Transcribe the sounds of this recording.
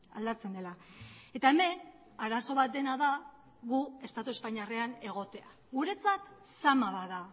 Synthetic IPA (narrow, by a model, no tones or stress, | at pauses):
a̰ld̪at͡se̞nd̪e̞lae̞t̪ae̞me̞n | aɾaso̞β̞at̪̚d̪e̞naða | ɣue̞st̪at̪ue̞spaɲareane̞ɣ̞o̞t̪e̞a | ɣuɾe̞t͡sat̪samaβaða